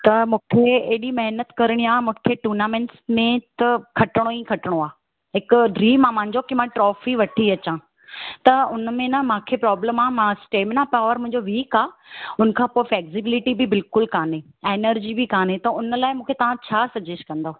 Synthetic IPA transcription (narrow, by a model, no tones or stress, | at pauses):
t̪ɐmũːkʰeeɦɗimɐɦnət̪kɐɾəɽ̃iaːmũːkʰeʈuːnaːmẽɳʈsmẽt̪ɐkʰɐʈɪɽ̃oĩkʰɐʈɪɽ̃oaː | ɦɪkʊɖɾiːmaːmãɦɪ̃ɲd͡ʑokimãʈɾɔːfiʋɐʈʰiɐt͡ɕã | t̪ɐʊnmẽnamãːkʰepɾɔːbləmaːmãːsʈeːmnãpaːʋəɾmʊ̃ɦɪ̃ɲd͡ʑoʋiːkaːʊnə̆kʰãːpoːɪfleːksɪbɪlɪʈibɪbɪlkʊlkaːne | eːnəɾd͡ʑibɪkaːnet̪ɐʊnəlaːɪmũːkʰet̪ɐʋ̤ãt͡ɕʰaːsɐd͡ʑesʈ̚kɐ̃nd̪oː